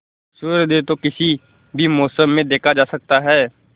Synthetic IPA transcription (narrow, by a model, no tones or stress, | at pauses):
sʊɾd̪et̪okɪsi | bʱimɔːsəmːẽd̪eːkʰad͡ʒaːsɐk̚t̪aɦɛː